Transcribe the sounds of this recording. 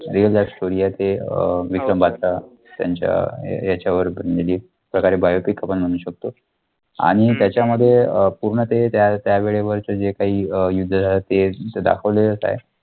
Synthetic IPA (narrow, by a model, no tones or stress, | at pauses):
ɾiəlːapsʈoɾijat̪eʋikɾəmbat̪a | t̪ja̰ɲt͡ɕja̰jat͡ɕjaʋəɾbʱəɾeliː | pɾəkaɾebajopikapəɳm̤əɽ̃uːɕək̚t̪o | a̰ɽ̃it̪jat͡ɕjaməd̪ʱːjeəpuɾɳət̪ːet̪jat̪jaʋeɭeʋəɾt͡səd͡ʑekaɦiːəjud̪ʱːəd͡zʱalat̪ːet̪d̪a̰kʰəʋleləsa̰ɦḛ